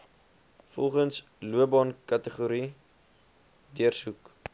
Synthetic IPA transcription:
fɔ̰lˠχəns | luəbɑnkɐtəχuɾi | diərsuk

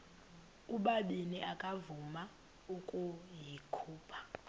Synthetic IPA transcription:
uɓaɓiniʔakʼavuma | ukʼujikʰuːpʰḁ

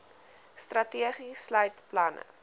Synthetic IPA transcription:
strɐtiəχislœɥtplɐnə̰

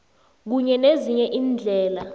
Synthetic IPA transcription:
k̬uɲɛneziɲɛʔiːnd͡ɮʱɛːla

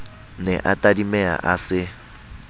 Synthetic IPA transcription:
nɛ̰ʔatʼadimɛa̰ʔasɪ

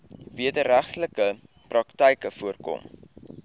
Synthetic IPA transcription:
viədəɾæχtləkə | prɐktəjkəfuərkɔ̰m

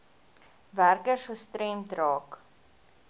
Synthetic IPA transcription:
værkərsəstɾɛmtrɑːk

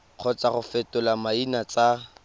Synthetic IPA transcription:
q͡χʰɔt͡saχʊfɛtʊlamainat͡sʼa

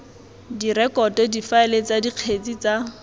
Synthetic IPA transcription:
dirɛkɔtɔdifaɪlet͡sadiq͡χʰet͡sit͡sa

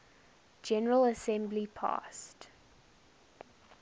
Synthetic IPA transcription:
d͡ʒɛnəɹələsɛ̃mblipʰɑ̰ːˑst

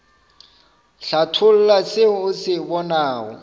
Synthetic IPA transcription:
ɬatʰʊl̩lasɪʊsɪbɔnaːɔ̰

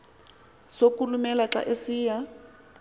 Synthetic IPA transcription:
sokulumɛlaǁa̰ʔesiːja

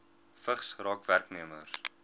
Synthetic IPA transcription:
fəχsrɑːkværkniəmərs

